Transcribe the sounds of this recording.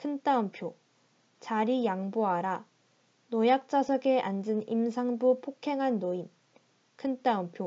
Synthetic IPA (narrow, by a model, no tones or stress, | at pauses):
kʰɯnt͈aɯmpʰjo | t͡ɕaɾijaŋboaɾa | nojak̚t͡ɕ͈asʰʌɡeʔand͡ʑɯnimsʰaŋbupʰokʰe̞ŋɦanːoin | kʰɯnt͈aɯmpʰjo